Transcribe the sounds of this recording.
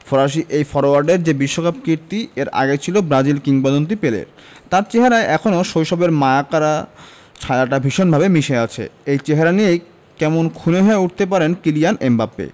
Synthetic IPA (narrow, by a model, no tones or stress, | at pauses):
foɾaʃ̬iʔejfɔɾoaɾɖeɾd͡ʑebiʃːokap̚kiɾt̪ieɾa̰ɡet͡ɕʰilobɾad͡ʑilkiŋbad̪ont̪̬ipelḛɾ | t̪aɾt͡ɕeɦaɾaeʔɛkʰonoʃojʃɔbeɾmaakaɾa | t͡ɕʰaaʈabʱiʃonbʱabemiʃeat͡ɕʰḛejt͡ɕeɦaɾanijej | kɛmonkʰuneɦɔeuʈ̚ʰt̪ep̬aɾenkilijanembapːḛ